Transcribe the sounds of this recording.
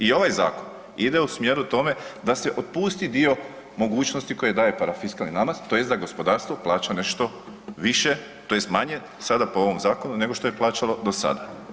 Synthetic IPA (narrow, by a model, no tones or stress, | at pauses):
io̞ʋajza̰ːkon | id̪e̞usmjeːɾut̪o̞me̞d̪ase̞ʔo̞t̪̚puːst̪id̪io̞ | mo̞ɡuːt͡ʃno̞st̪iko̞je̞d̪aːje̞paɾafiskalˠninamazt̪o̞jesd̪aɡo̞spo̞d̪aːɾst̪ʋo̞plˠaːt͡ɕane̞ʃt̪o̞ | ʋiʃe | t̪o̞je̞st̪maɲe̞ | sad̪apoo̞ʋo̞mzaːko̞nune̞ɡo̞ʃt̪o̞jeplˠaːt͡ʃalo̞d̪o̞sa̰d̪a